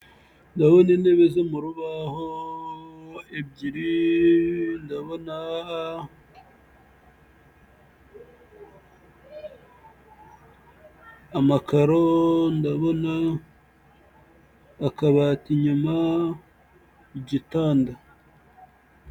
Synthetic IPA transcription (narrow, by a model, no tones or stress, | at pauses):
ndaβo̞neneβezemuɾuβaho | ebɟiɾi | ndaβona | makaɾondaβo̞na | kaβatiɲuma | iɟitaːnda